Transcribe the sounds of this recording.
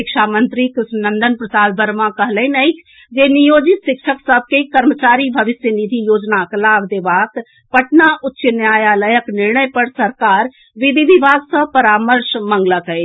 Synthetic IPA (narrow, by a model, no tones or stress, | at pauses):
ɪkʃʰaːmə̃nt̪ɾikɪsnə̃nd̪ənpɾəsaːlbəɾmãkəɦləinəikʰ | d͡ʒeːnijoːd͡ʒɪt̪ʃɪkʃʰəksəb̚ʱkekəɾmət͡ʃaːɾibʱəʋɪsjənid̪ʱijoːd͡ʒnaklaːbd̪eːʋaːk | pəʈnaʔʊtːʃənjaːjaːləjəknɪɾɳəjpəɽsəɾkaːɾ | ʋɪd̪id̪iʋaːɡsəpɐɾaːməɾʃmə̃ŋɡləkəe